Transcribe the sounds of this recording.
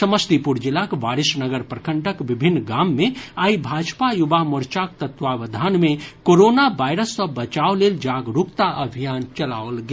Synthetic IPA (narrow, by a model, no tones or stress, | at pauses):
səməst̪ipuɾd͡ʒɪlakʋaːɾɪsnəɡəɾpɾəkəɳʈəkbɪbʱɪnːɡaːmːẽaːibʱaːd͡ʒpajʊbamʊɾt͡ʃak̚t̪ət̪ʋaʋəd̪ʱaːnmẽkoɾoːnabaːɪɾəsːɐbət͡ʃaoleld͡ʒaːɡɾukt̪aʔəbʱijaːnt͡ʃɐlaolɡe